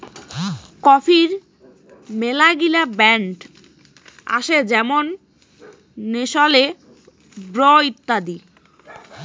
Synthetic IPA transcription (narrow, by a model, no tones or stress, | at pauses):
kɔfʰiɾ | melaɡilabɛɳʈ | a̰ʃed͡ʑɛmon | eʃɔle | bɾɔit̪ːad̪i